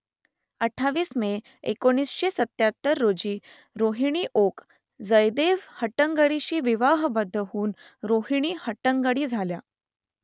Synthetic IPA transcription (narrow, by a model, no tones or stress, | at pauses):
əʈʰːaʋiːsme | ekoɽ̃iːsɕesət̪jat̪ːəɾːod͡ʑiː | ɾoɦiɽ̃iːʔok | d͡zəjd̪eʋhəʈəŋɡəɽiɕiːʋiʋaɦbəd̪ʱːəɦuːnɾoɦiɽ̃iːhəʈəŋɡəɽiːd͡zʱalja